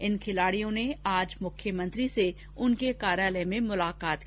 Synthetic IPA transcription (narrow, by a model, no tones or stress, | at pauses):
ɪnkʰɪlaːɽijõneaːd͡ʒmʊkʰjəmɐ̃nt̪ɾise | ʊnkekaːɾjaːləmẽmʊlaːkaːt̪